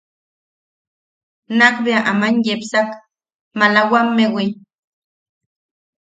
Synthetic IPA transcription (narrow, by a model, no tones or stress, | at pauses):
nakbeaʔamanjepsak | malawamːewi